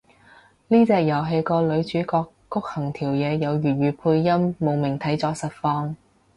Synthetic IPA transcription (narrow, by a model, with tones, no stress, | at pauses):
liː˥t͡sɛː˧k̚jɐ˨˩wɦe˧jkɔː˧lɵ˨˧ɥt͡ʃyː˨˥kɔː˧kːʊ˥k̚hɐ˨˩ŋt̪ʰiː˨˩wjɛː˨˧jɐ˨˧wjyː˨˩ɥyː˨˧pʰuː˧jːɐ˥mːo˨wmɪ˨˩ŋt̪ʰɐ˨˥jt͡sɔː˨˧˥sɐ˨t̚fɔː˧ŋ